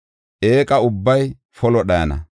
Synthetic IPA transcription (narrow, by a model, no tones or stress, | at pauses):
ʔeːkʼɐʊbːɐj | fɔlɔɗɐjɐnɐ̰